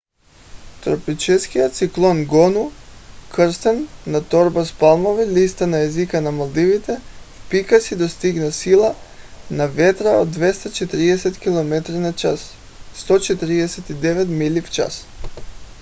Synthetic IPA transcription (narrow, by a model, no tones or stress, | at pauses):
t̪ɾɔpit͡ʃɛskijɔt̪t̪siklˠɔnɡɔnukɾst̪ɛnːat̪ɔɾbaspalˠmɔvilist̪anaɛzikanamalˠd̪ivit̪ɛfpikasid̪ɔst̪iɡnasilˠa | navɛt̪ɾaod̪vɛst̪at͡ʃɛt̪ɾiɛsɛt̪kilˠɔmɛt̪ɾinat͡ʃas | st̪ɔt͡ʃɛt̪ɾiɛsɛt̪id̪ɛvɛt̪milift͡ʃa̰s